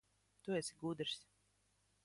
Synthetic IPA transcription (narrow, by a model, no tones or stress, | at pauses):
t̪uɛsʲiɡud̪ɾsʲ